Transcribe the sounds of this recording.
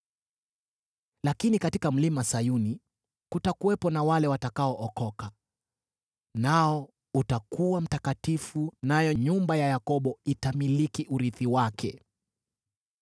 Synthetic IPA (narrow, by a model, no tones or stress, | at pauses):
lakinikatikam̩limasajuni | kutakuwɛpɔnawalɛwatakaɔʔɔkɔka | naɔ | utakuwam̩takatifunajɔɲumbajajakɔɓɔitamilikiʔuɾiθiwakʰɛ̰